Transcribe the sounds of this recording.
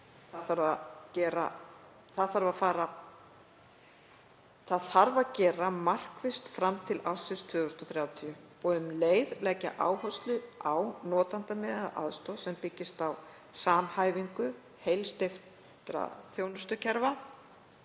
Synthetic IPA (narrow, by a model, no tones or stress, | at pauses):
θaðθaɾvacɛːɾa̰ | θaðθaɾvafaːɾa | θaðθaɾvacɛːɾamar̥kvɪst̪fɾamt̪ʰɪlʔawsɪst̪ʰvʏːðʏ̥st̪ɔθɾjaːwt̪ʰiʏ | ɔɣʏmleːjðlɛːca̰ʔa̰ːwɦɔst̪lʏawnɔːt̪ant̪amɪːðɪna̰ʔa̰ðst̪ɔsɛmpɪcːɪst̪aw | saːmhaːjviŋkʏ | hejlst̪ɪf | t̪ɾa̰θjoːwnʏst̪ʏcʰɛɾva